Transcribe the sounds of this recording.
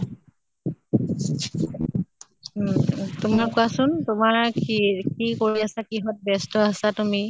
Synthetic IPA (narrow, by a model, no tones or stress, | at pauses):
tʊmakuasʊntʊmaɹikikoɹiasakiɦɔt̚bɛstɔasatumi